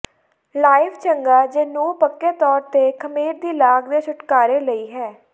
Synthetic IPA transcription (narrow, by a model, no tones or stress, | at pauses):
laːɪfʰt͡ʃəŋɡaːd͡ʒeːnũːpəkːeːt̪ɔːɾt̪eːkʰəmeːɾd̪iːlaːɡd̪eːt͡ʃʰʊʈkaːɾeːləiːɦɛː